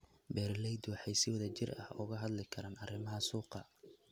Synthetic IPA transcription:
bɛːrlɛjd̪wɑħɑjsɪwɑðɐt͡ʃɪrɐ̰hʊɣɐɦɐd̪lɪkʰɐɾaːnɐrɪmɐɦɐsuːqɑ

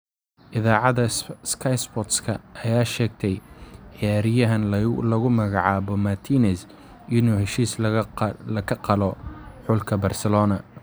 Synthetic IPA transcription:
ʔɪðaːʕɑðɐskʰɐjspɔt̪skʰɐʔɐjaːʃɛːɡ̚t̪ʰɛjħjaːɾɪjɐɦɐnlɐɣʊmɐɣɑʕɑːβɔmɐt̪ʰiːnɛs | ʔɪnuːhɛʃiːs | lɐkʰɐqɑlɔħʊlkʰɐbɐrsɛlɔːnɐ

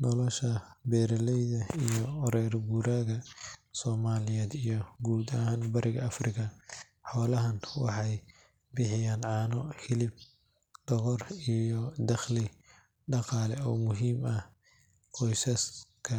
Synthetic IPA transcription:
nɔlɔʃɐbɛːɾɐlɛjðɐijɔɾɛrbuːɾaːɣɐsɔːmaːlɪjɛːd̪ijɔɡuːd̪ɐɦaːnbɐɾʔɪɣɐɐfrɪkʰɐ | ħɔːlɐɦɐnwɑħɑj | bɪħɪjaːnʕɑːnɔhɪlɪb̚ | ɖ̪̥ɔɣɔrijɔd̪ɐχlɪ | ɖɑqɑːlɛɔːmʊɦiːmɐ | qʰɔjsɐskʰɐ

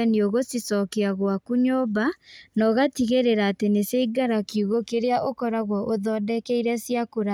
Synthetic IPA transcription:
ɛnioɣosisɔkeaɣwakuɲɔbanɔɣatiɣeɾeɾaːteneseiɡaɾakiuɣokeɾeaʔokɔɾaɣwɔʔoðɔdɛkɛiɾɛsiakoɾa

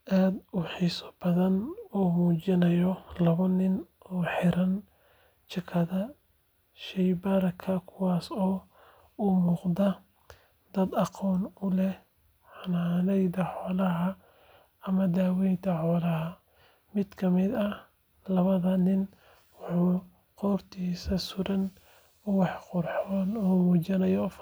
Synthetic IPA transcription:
ʔaːd̪ʊħiːsɔ̥b̥ɐðɐnɔːmuːt͡ʃɪnɐjɔlɐβɐnɪnɔːħɪɾɐn | t͡ʃɐkʰɐðɐ | ʃɛjbɐɾɐkʰɐkʰʊwɑːsɔː | umuːqd̪ɐ | d̪ɐd̪ɑqɔːnʊlɛh | ħɑnaːnɛjd̪ɐħɔːlɐɦɐ | ɐmɐd̪aːwɛjnt̪ʰɐħɔːlɐɦɐ | mɪd̪̥kʰɐmɪd̪ɐ | lɐβɐðɐnɪn | wʊħuː | qɔːrt̪ʰiːsɐsʊɾɐn | ʊwɑħqʊrħɔːnɔːmuːt͡ʃɪnɐjɔf

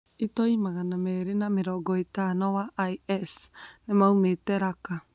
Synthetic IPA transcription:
itɔimaɣanamɛɾenameɾɔɡɔitanɔwaʔajɛsnɛmaumetɛɾaka

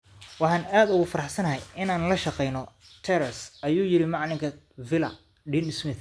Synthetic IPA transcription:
wɑħɑːnaːd̪ʊɣʊfɐɾɑħsɐnɐɦɛjɪnaːnlɐʃɑqɛjnɔ | t̪ʰɛɾɐsɐjuːjɪɾɪmɑʕlɪŋkʰɐ | vɪlɐ̰ | ɖɪnɪsmɪθ

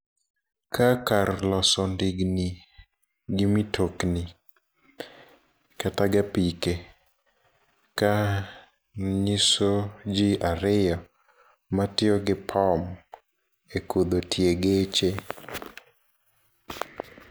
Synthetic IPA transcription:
kʰakarlɔsɔndɪɡni | ɡɪmitʰokni | kataɡapike | ka | ɲisod͡ʒiaɾɪjɔ | matɪɔɡɪpʰam | ekod̪otʰjeɡet͡ʃe

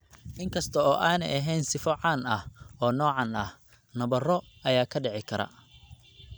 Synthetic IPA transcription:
ʔɪŋkʰɐst̪ʰɐɔːʔaːnɛjɐɦɛːnsɪfɔʕɑːnɐhɔːnɔːʕɑnɐh | nɐβɐrɔ | ɐjaːkʰɐɖɛʕɪkʰɐɾɐ̰

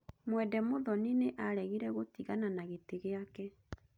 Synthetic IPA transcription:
mwɛdɛmoðɔnineʔaɾɛɣiɾɛɣotiɣananaɣeteɣeakɛ

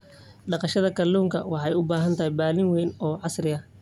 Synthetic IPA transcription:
ɖɑqɑʃɐðɐkʰɐluːŋkʰɐ̰wɑħɑjʊbaːɦɐnt̪ʰɐɦɛjbaːlɪŋwɛjnɔːʕɑsɾɪɐ

